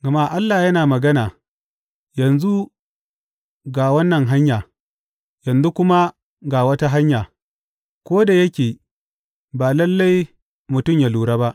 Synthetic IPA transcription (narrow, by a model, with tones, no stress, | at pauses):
ɡɐ˨ma˦ʔa˦lːaː˨jɐ˦naː˨mɐ˨ɡɐ˦naː˨ | jɐ˨nzu˦ | ɡa˨wɐ˦nːɐ˨ŋɦa˦ɲjaː˨ | jɐ˨nzu˦kʷʊ˦ma˦ | ɡa˨wɐ˦ta˦ɦa˦ɲjaː˨ | kʷoː˦da˨jɐ˦kʲeː˨ | baː˨lɐ˦lːa˦j | mʊ˨tʊ˦˨mja˨luː˨ɽa˦ba˦ʔ